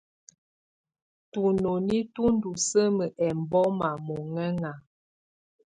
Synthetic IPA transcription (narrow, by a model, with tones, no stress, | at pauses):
tu˨no˨ni˦tu˦n˦du˨sə˦mə˨ʔɛ˨m˨bɔ˦ma˨mo˨ŋɛ˦ŋa˨